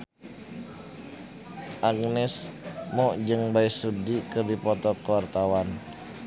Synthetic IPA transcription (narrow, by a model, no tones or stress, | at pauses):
ʔaɡnɛsmɔd͡ʒəŋbaisudikərdipɔt̪ɔkowart̪awan